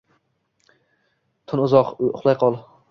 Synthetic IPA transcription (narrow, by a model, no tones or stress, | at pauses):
t̪ʰʊnʊzɒqʊ̰χlˠajqʰɒlˠ